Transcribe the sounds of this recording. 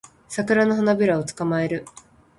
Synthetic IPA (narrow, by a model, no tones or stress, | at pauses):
sakɯ̟ɾano̞ɦanabʲiɾao̞t͡sɨ̥kamae̞ɾɯ̟